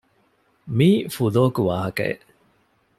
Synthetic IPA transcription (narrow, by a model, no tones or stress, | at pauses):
miːfuloːkuʋaːɦɐkɐ̰ḛʔ